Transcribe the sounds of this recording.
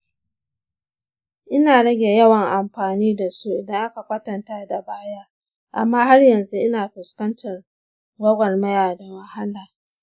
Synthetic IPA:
ʔɪ˦naː˨ɽɐ˦ɡʲe˨jɐ˦wɐ˨ŋʔa˨mɸaː˨niː˦da˨su˦ʔɪ˨dɐ˦ŋʔa˦ka˨kʷɐ˦tɐ˨ntaː˦da˨baː˦ja˦ | ʔa̰˨mːaː˦ha˦rjɐ˨nzu˦ʔɪ˦naː˨ɸɪ˨skɐ˦ntʰɐ˨r | ɡɐ˦ɡʷɐ˨rmɐ˦jaː˨da˨ma˨ha˦laː˨

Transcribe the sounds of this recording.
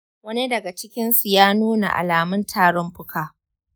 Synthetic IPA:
wɐ˦ni˦dɐ˨ɡa˨t͡ʃɪ˦kʲɪ˦nsu˨jaː˦nuː˦na̰˨ʔa̰˨laː˨mʊ˦ntʰaː˦ɽɔ˦mɸʊ˦kaː˨

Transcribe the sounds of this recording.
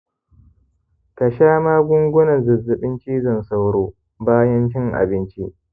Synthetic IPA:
kɐ˨ʃaː˦maː˦ɡʷʊ˦ŋɡʷʊ˦nɐ˨zɐ˨zːɪ˨ɓɪ˦nt͡ʃiː˦zɐ˦˨nsa˦wɽoː˦ | baː˦jɐ˦nt͡ʃɪ˦ŋʔa̰˨bɪ˦nt͡ʃi˦ʔ

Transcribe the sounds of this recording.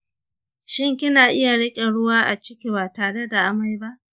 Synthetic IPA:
ʃɪ˦ŋkʲɪ˦naː˨ʔɪ˦ja˨ɽɐ˦kʲʼe˨ɽʊ˦waː˦ʔa˨t͡ʃɪ˦kʲi˨baː˨taː˨ɽe˦da˨ʔa˦˨ma˦jba˦ʔ

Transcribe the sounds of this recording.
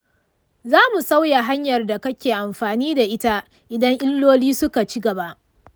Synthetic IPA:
zaː˦mu˨sa˦wja˨ɦa˦ɲjɐ˨rda˨kɐ˦kʲeː˨ʔa˨mɸaː˨niː˦da˨ʔɪ˦ta˦ʔ | ʔɪ˨dɐ˦ŋʔɪ˦lːoː˦liː˦sʊ˦ka˨t͡ʃi˦ɡɐ˨ba˦ʔ

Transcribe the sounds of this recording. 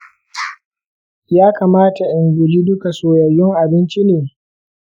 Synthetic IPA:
jaː˦kaː˨maː˦ta˨ʔɪ˨ŋɡʷʊ˨d͡ʒiː˦dʊ˦ka˨soː˨jɐ˨jːɪ˦ŋʔa˨bɪ˦nt͡ʃi˦neː˨

